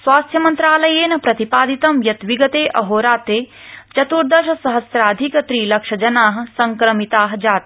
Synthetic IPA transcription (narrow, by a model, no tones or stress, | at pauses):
sʋaːst̪ʰjɐmɐnt̪ɾaːlɐjeːnɐpɾɐt̪ipaːd̪it̪ɐmjɐt̪ʋiɡɐt̪eːʔɐɦoːɾaːt̪eːt͡ʃɐt̪uɾd̪ɐʃɐsɐɦɐsɾaːd̪ʱikɐt̪ɾiːlɐkʂɐd͡ʒɐnaːɦɐ̆sɐŋkɾɐmit̪aːɦɐd͡ʒaːt̪